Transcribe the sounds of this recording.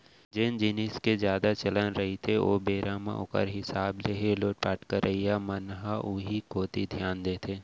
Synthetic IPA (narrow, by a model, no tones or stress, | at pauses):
d͡ʒɪnd͡ʒɪnɪskezjaːd̪at͡ʃɐlənɾɐɦit̪ʰeoːbeːɾʔaːmã̰ʔʊ̰kə̰ɾɦɪsaːbleɦeloːʈ̚paːʈkəɾʔɐijamɐnɦaʔuɦikoːt̪id̪ʱjaːnd̪eːt̪ʰeː